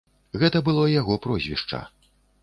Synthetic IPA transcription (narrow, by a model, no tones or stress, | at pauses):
ɣɛt̪ɐbɨlˠɔjaɣɔpɾɔzʲvʲḭʂt͡ʂɐ̰